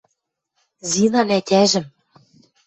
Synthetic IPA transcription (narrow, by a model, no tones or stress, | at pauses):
zinɑnæt̪ʲæʒɘ̆m